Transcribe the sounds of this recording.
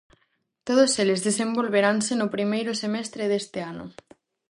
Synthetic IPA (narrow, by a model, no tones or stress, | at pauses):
t̪oð̞oselezðes̬embolβeɾansenʊpɾimejɾʊsemɛst̪ɾeðest̪ɪanʊ̰